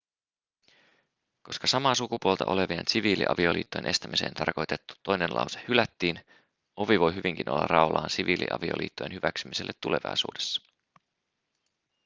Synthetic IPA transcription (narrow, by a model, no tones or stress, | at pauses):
ko̞skɑsɑmɑːsukupuolt̪ɑʔo̞le̞ʋiḛnsiʋiːlḭʔɑ̰ʋio̞lḭːt̪ːojenʔe̞st̪æmise̞̰ːnt̪ɑ̰rko̞jt̪e̞t̪ːu̥t̪ːo̞jnenlʔɑ̰wsehylæt̪ːiːn | o̞ʋiʋo̞jɦyʋiŋk̟inʔolːɑ̰rʔɑolɑːnsiʋiːlʔḭʔɑ̰ʋio̰lḭːt̪ːojenhyʋæksymise̞lːet̪ːule̞ʋɑ̰jsṵːde̞sːɑ̥